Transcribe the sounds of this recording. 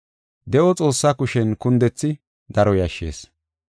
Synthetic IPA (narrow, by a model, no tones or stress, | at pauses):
d̪ɛʔɔt͡sʼo̞ːsːakʊʃɛnkʊnd̪ɛt͡sːɪ | d̪ɐɾɔjɐʃːḛːs